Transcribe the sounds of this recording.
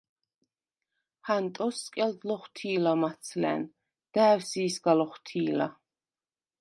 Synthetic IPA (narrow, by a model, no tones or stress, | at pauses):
hant̪ʼɔsːkʼɛld̪lɔχt̪ʰiːlamaht̪sʰlɛ̰n | d̪̥æːwsiːsɡalɔχt̪ʰiːla